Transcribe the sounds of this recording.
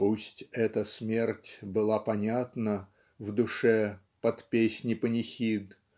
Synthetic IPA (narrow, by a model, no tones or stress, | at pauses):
pusʲtʲɛt̪əsmʲertʲbɨlˠapɐnʲat̪nə | vd̪ʊʂɛ | pɐt̪pʲesʲnʲɪpənʲɪxʲid̪